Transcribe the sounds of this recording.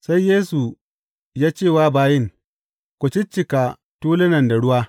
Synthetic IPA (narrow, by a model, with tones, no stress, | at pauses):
sa˦jːeː˦su˨ | jaː˦t͡ʃeː˦˨waː˦baː˦jɪ˦ŋ | kʷʊ˨t͡ʃɪ˦t͡ʃːɪ˨ka˨ | tuː˦lɪ˦nɐ˨nda˨ɽʊ˦waː˦